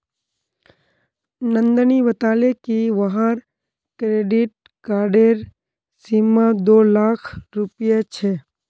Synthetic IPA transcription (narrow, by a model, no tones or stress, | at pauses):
nə̃nd̪niʋət̪aːlekiʋəɦaɾ | kɾeːɖɪʈ̚ | kaːɾɖeɾ | simad̪oːlaːkʰɾupjet͡ʃʰeː